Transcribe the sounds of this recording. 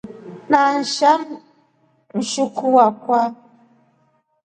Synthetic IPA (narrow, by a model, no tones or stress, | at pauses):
nan̩ʃam | n̩ʃukuwakwa